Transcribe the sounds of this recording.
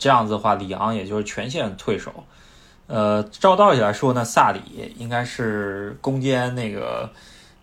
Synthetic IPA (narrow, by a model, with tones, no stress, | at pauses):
ʈ͡ʂɤ˥˧jɑ˥˩ŋd͡zɹ̩˩d̪ə˩xwa˥˩li˨˩jɑ̰˧˥ŋjɛ˨˩t͡ɕjo˥˧ʊʂɻ̩˥˩t͡ɕʰɥɛ˧˥nɕ̬jɛ˥˩ə˩t̪ʰwe˥˩ɪʂo̰˨˩˦ʊ | ə˧ʈ͡ʂɑ˥˧ʊt̪ɑ˥˩ʊt͡ɕʰi˩a˧˥ɪʂwɔ˥na˥˧sa˥˩lḭ˨˩˦i˥ŋka˥ɪʂɻ̩˥˩kʊ˥ŋt͡ɕjɛ˥nna˥˩ɪɡə̰˩